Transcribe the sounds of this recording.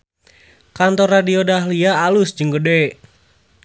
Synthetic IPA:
kant̪ɔradiodaːɦliaːlʊsd͡ʒəŋɡəde

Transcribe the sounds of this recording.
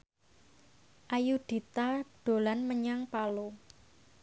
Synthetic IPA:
ʔajuɖ̥i̤t̪aɖ̥o̤lanməɲaŋpalo

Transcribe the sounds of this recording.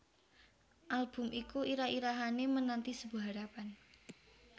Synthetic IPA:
ʔalb̥ʊ̤mʔikuʔiɾaiɾaɦanemənant̪isəbuɦaɾapan

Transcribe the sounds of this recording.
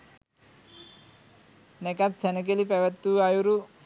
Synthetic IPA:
nɛkat̪sɛnək̬elipɛʋɛt̪ːuajuɾu

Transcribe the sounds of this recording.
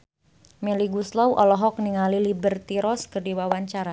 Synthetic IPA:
mɛliɡuslawʔɔlɔɦɔk̚niŋalilibərt̪iɾɔskərdiwawaɲt͡ʃaɾa

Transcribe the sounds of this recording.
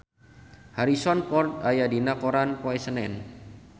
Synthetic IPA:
haɾisɔnpɔrt̪̚ajadinakɔɾanpoɛsənɛn

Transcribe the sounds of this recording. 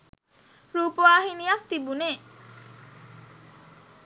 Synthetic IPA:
ɾuːpoʋaːɦinijak̚t̪ibuneː

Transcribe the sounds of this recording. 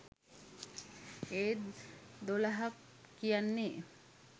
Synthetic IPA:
e | d̪olaɦak | kijanːe

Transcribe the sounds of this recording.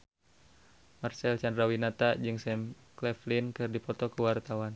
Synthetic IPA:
marsɛlt͡ʃandɾawinat̪ad͡ʒɨŋsɛm | klɛflinkɨrdipɔt̪ɔkəwart̪awan

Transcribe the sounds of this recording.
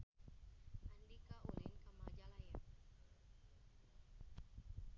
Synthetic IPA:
ʔandikaʔulinkamad͡ʒalaja̰

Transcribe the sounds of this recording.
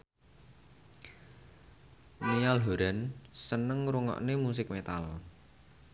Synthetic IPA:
nijalɦoɾansənəŋɾuŋɔ̰ʔnemus̬ɪk̚met̪al

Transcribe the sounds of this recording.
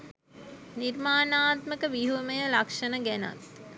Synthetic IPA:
nirmaːnaːt̪məkəʋiɦuməjəlakʂənəɡæna̰t̪̚

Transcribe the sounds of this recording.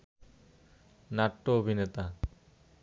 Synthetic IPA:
naʈːoobʱinet̪a

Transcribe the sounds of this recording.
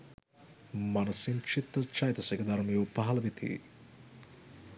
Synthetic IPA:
manɐsint͡ʃʰit̪ɾɐt͡ʃajt̪ɐseked̪ɐɾmijuːpaɦɐlɐʋit̪ʰḭ

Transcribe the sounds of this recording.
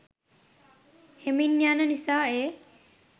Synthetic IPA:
heminːjaːnənisaːeː

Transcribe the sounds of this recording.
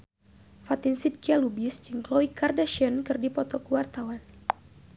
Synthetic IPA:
fat̪insid̪̚kialubisd͡ʒɨŋklɔikardaʃənkɨrdipɔt̪ɔkuwart̪awan

